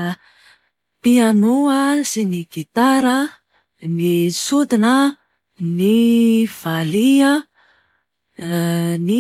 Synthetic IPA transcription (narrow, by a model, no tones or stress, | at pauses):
pianuəsiniɡ̥it̪aɾə | nisud̪inə | niv̥aliə | ni